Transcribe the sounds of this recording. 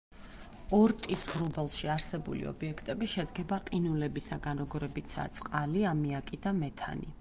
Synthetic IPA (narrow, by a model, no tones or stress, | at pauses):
ɔɾt̪ʼisʁɾubɛlˠʃiaɾsɛbṵlḭɔ̰biɛkʰt̪ʼɛbiʃɛd̪ɡɛbaqʼinulɛbisaɡanɾɔɡɔɾɛbit̪sʰa̰t̪sʼqʼaliamiakʼid̪amɛt̪ʰa̰ni